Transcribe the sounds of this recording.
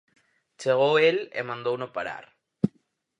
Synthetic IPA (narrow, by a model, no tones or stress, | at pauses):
t͡ʃeɣ̞oelḛmãnd̪ownopaɾa̰ɾ